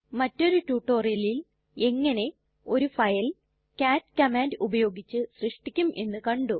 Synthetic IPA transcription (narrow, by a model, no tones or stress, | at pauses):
mɐtːo̞ɾutuːʈːo̞ːrijɐlil | e̞ŋːɐne̞ | o̞ɾufɐjɐl | kaːtːkɐmaːndubɐjo̞ːɡit͡ɕːɨsrɨʂʈikʲːumʔe̞̰nːɨkɐɳɖu